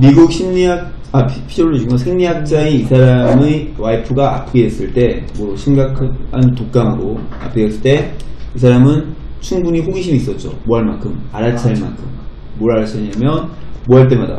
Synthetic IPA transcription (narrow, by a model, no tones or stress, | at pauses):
miɡuk̚ɕʰimɲiak̚ | apʰid͡ʑoɾɯd͡ʑuŋʌsʰeŋɲiɦak̚t͡ɕ͈aiisʰaɾamewaipʰɯɡaʔa̰pʰɯɡees͈ɯɭt͈e̞moɕʰimɡakʰhantok̚k͈aŋɦaɡoa̰pʰɯɡes͈ɯɭt͈e̞isʰaɾamɯn | t͡ɕʰuŋbuɲiɸoɡiɕʰimis͈ʌt̚t͡ɕ͈o̰moɦaɭma̰nkʰɯmaɾat͡ɕʰaima̰nkʰɯmː | oɾaɾat͡ɕʰʌɲamjʌnmoɦaɭt̬͈e̞mada̰